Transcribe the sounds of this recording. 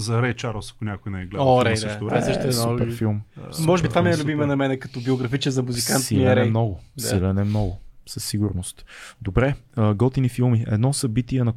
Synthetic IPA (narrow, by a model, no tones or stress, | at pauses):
zɐɾɛjt͡ʃaɾlˠsɐ̥kʊnʲakʊjnɛjɡlɛɔɾɛsʃoɾsəʃt̪ɛupɛɾfilˠmmɔʒɛbit̪vaminɛlʲubimɛnɐmɛnɛkɐt̪ɔbioɡɾɐfit͡ʃɛzɐmuzikantsiilɐɛɛjmnɔɡʊilɛnɛmnɔɡʊsɐsːiɡʊɾnost̪d̪obɾɛəɡɔt̪inifilˠmiɛ̰d̪nɔsɐbit̪iɛnɐ